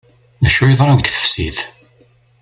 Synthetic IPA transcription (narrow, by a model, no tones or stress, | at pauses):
næʃʊiðˤɾˤɑðəɡθə̥fsḭð